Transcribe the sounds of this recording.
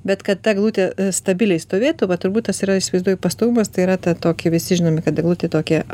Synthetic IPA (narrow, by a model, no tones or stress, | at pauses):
bʲɛt̪kɐt̪̚t̪ɐɡlˠuːt̪ʲeːst̪ɐbʲɪlʲɛɪst̪oːʋʲeːt̪uʋɐt̪ʊɾbuːt̪t̪ɐsiɾɐɪʃʲsʲɪʋɐɪzd̪uɔjʊpɐst̪oʋuːmɐst̪ɐɪiɾɐt̪ɐt̪oːkʲɪʋʲɪsʲɪʒʲɪnoːmʲɪkɐt̪̚d̪ɐɡlˠuːt̪ʲet̪oːkʲiɛ